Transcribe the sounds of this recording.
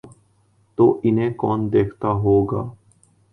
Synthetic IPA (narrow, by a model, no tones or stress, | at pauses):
t̪oːʔɪnɦẽːkɔːnd̪eːkʰt̪aːɦoːɡaː